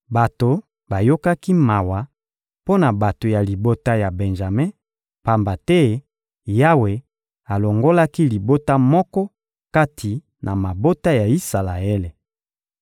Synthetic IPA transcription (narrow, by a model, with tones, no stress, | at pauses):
ba˨to˨ | ba˨jo˦ka˦ki˦ma˨wa˨ | po˦na˨ba˨to˨ja˨li˨bo˦ta˦ja˨be˨nʒa˨me˦ | pa˨mba˨tɛ˦ | ja˦we˨ | a˨lo˨ŋɡo˦la˦ki˦li˨bo˦ta˦mɔ˦kɔ˦ | ka˦tʰi˨ | nʔa˨ma˨bo˦ta˦ja˨i˦sa˨la˨e˦le˨